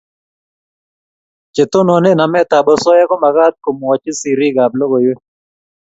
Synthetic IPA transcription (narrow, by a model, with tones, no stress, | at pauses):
t͡ʃe˨t̪o˦nɔ˨nɪ˦na˨mɛ˦t̪a˨bɔ˦sɔ˦ja˦kɔ˦ma˨ɡa˦t̪̚ko˨m˨wɔ˨t͡ʃɪ˦si˨ɾi˦ɡa˨blɔ˦ɡo˨jwe˦